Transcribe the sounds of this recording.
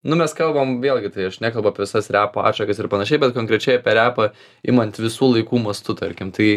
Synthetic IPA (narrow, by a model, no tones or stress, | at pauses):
nʊmʲɛskɐlˠbɐmʋʲeːlˠɡʲɪt̪ɐɪɐʃnʲæːkɐlˠbʊɐpʲɛʋʲɪsɐsɾʲæːpoːɑ̰ːʃɐkɐsɪrpɐnɐʃʲɛɪbʲɛt̪koːŋkɾʲɛt͡ʃʲɛɪɐpʲɛɾʲæːpɐ | ɪ̰mɐnʲt̪ʲʋʲɪsuːlˠɐɪkuːmɐst̪ʊt̪ɐɾʲkʲɪmt̪ɐɪ